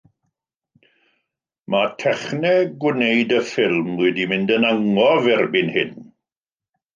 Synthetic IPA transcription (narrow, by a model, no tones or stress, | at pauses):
matʰɛχnɛɡwneɨdəfɪlˠmwɛdimɪndənaŋɔvɛrbɪnhɪn